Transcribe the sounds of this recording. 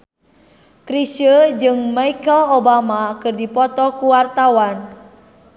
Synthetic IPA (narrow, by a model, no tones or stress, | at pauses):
kɾisəd͡ʒɨŋmaikəlobamakɨrdipɔt̪ɔkuwart̪awan